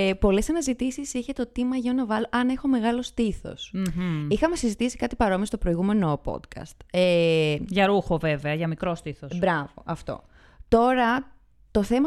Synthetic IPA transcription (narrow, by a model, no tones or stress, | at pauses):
epo̞le̞sɐnɐzit̪isisiçe̞t̪o̞t̪imɐʝonɐvɐloʔɐne̞xo̞me̞ɣɐlo̞st̪iθo̞̰sixɐme̞sizit̪isi̥kɐt̪i̥pɐɾo̞miɐst̪o̞pɾo̞iɣume̞no̞po̰t̪kɐ̰st̪eʝɐɾuxo̞ve̞ve̞ɐʝɐmikɾo̞st̪iθosbɾɐvo̞̰ʔɐft̪o̞̰ | t̪o̞ɾɐ | t̪o̞θe̞mɐ